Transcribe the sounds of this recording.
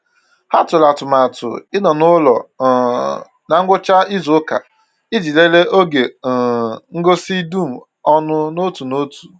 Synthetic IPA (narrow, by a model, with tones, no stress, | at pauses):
ha˦tʊ˨la˨tʊ˨ma˨tʊ̰˨ɪ˦nɔ˨nʊ˦lɔ̰˨ | na˨ŋ̩˦ɡʷʊ˦t͡ʃa˦i˦zo˨˦ka̰˨ | ɪ˦d͡ʒi˨le˦le˦ʔo˦ɡe˨ | ŋ̩˦ɡo˦si˦du˦˨m̩˨ | ɔ˦nʊ˦no˦tu˨no˦tu̥˨